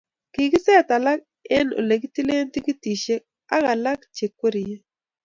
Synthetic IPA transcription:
ki˨kɪ˦sɛ˦˨ta˨la˦k̚ | ɛ˦no̰˨le˨ki˦ti˦le˦nti˦ki˦ti˨ʃe˦ | a̰˦ɣa˨la˦k̚t͡ʃe˨kwo˦ɾi˨je˦

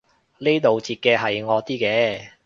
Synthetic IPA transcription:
le˥jt̪o˨wt͡siː˧t̚kɛː˧ɦɐ˨jŋɔː˨˧t̪iː˥kɛː˧

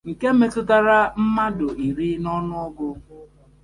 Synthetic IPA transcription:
ŋ̩˨ke˦me˦tʊ˦ta˦ɾa˦m̩˦ma˦dʊ˨i˨ɾi˦nɔ˦nʊ˦ɔ˦ɡʊ˦

